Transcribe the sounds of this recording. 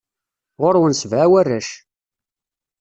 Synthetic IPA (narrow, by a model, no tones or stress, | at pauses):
ʁʊɾwənsvʕawærːæʃ